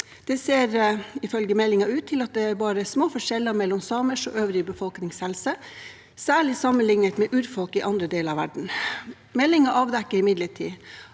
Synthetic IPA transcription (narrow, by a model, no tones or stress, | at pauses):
d̪̥ɛseːɾɪfœlɡəmɛlːɪŋɑʉːt̪ʰːɪlɑt̪̚d̪ɛæɾbɑːɾəsmoːfɔʂɛlːəmɛlːɔmsɑːməʂɔʔøːʋɾɪbəfɔlknɪŋshɛlsə | sæːɭɪsɑmənlɪŋnət̪mɛʔʉːɾfɔlkɪʔɑnd̪ɾəd̪eːlɑʋæɖɳ̩ | mɛlːɪŋɑʔɑːʋd̪ɛkːəɾɪmɪd̪ləʈʰḭː